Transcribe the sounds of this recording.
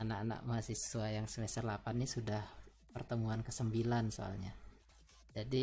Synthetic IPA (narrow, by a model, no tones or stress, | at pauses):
anakana̰k̚masissuajaŋsəmest̪ərlapanːisudah | pərt̪əmuankəsəmbilanso̰a̰lɲa | d͡ʒadi